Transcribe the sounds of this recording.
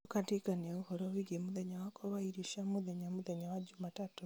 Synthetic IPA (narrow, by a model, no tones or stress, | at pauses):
ukatikaniaβuhoɾoβiɡemuðeɲawakoβaiɾiʃamuðeɲamuðeɲawad͡ʒumatatu